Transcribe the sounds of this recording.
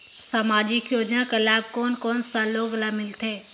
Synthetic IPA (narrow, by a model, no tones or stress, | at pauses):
saːmaːd͡ʒɪkjoːd͡ʒnãkəlaːb̚koːnkoːnsãloːɡlaːmɪlt̪ʰeː